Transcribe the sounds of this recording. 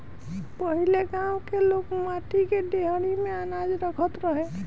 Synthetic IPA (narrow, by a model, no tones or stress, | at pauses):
pəɦileɡãwkelokmaʈ̪ikeɖ̪eɦəɽ̃imeənad͡ʒɾəkʰət̪ɾəɦẽ